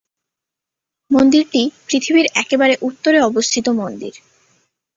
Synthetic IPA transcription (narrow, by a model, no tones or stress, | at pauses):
mond̪iɾʈipɾit̪ʰibiɾɛkebaɾeʔut̪ːoɾeɔbost̪ʰit̪omond̪ḭɾ